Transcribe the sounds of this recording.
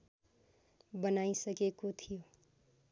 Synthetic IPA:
bənaisəkekot̪ʰijo

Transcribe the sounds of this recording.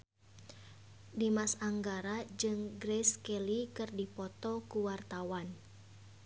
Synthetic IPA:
dimasaŋɡaɾad͡ʒɨŋɡɾɛskɛlikɨrdipɔt̪ɔkuwart̪awan

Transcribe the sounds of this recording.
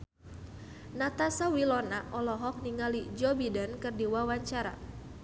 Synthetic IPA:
nat̪asawilɔnaʔɔlɔɦɔk̚niŋalid͡ʒɔbidankɨrdiwawaɲt͡ʃaɾa̰

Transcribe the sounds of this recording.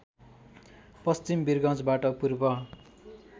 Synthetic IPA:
pʌst͡simbirɡʌ̃t͡sbaʈʌpurbʌ

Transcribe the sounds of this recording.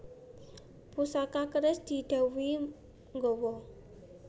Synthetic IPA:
pusakakəɾɪsd̪̥i̤d̪̥a̤wi | ŋɡɔwɔ

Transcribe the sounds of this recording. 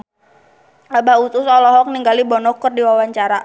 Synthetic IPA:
abaut̪usɔlɔɦɔk̚niŋɡalibɔnɔkɔrdiwawaɲt͡ʃaɾa

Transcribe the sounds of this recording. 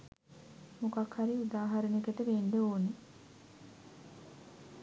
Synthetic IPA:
mukakhaɾiud̪aːɦɐɾənikət̪əʋeːnd̪eoːne

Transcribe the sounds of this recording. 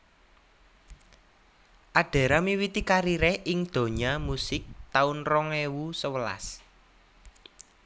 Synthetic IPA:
ʔaɖ̥a̤ɾamiwit̪ikaɾiɾɛhʔɪŋd̪̥o̤ɲamusɪk̚t̪aunrɔŋewusəwəla̰s

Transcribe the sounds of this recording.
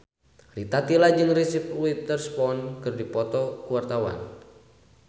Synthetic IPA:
rit̪at̪ilad͡ʒɨŋrisip̚luit̪ərspɔnkɨrdipɔt̪ɔkuwart̪awa̰n

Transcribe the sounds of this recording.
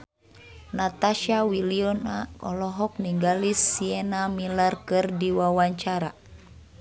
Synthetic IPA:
nat̪aʃawiliɔnaɔlɔɦɔk̚niŋɡalisːiɛnamilarkɨrdiwawaɲt͡ʃaɾa

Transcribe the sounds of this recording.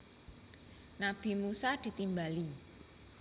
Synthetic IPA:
nab̥i̤musad̪̥i̤t̪imbali

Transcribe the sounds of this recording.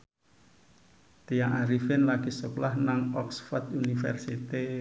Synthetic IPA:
t̪ijaŋaɾifɪnlaɡ̥isəklahnaŋɔksfɔrd̪unifɛ̰rsit̪e

